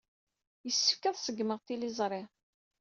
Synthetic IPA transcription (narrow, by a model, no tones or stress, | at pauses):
jəsːə̥fkæðˤsəɡməʁt̪ilizˤɾˤɪ